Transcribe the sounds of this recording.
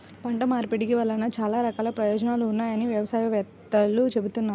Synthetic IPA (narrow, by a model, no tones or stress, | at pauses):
pɐɳʈɐmaːɾpiɽikiʋɐlːɐnɐt͡ʃaːlaːɾɐkaːlɐpɾɐjɔːd͡ʒɐnaːluːnːaːjɐniʋjɐʋɐsaːjɐʋɛt̪ːɐlːut͡ʃe̞but̪unːaːɾu